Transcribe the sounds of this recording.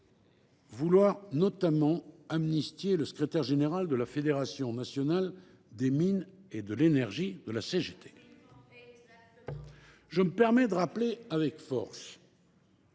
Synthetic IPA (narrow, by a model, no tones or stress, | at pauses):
vulwaʁnɔt̪amɑ̃amnist̪jeləsə̥kχet̪ɛʁʒeneʁald̪əlafed̪eʁasjɔ̃nasjɔnal | d̪emined̪əlenɛʁʒid̪əlaseʒet̪ʰe | ʒəməpɛʁmɛd̪əʁapleavɛkfɔ̰ʁs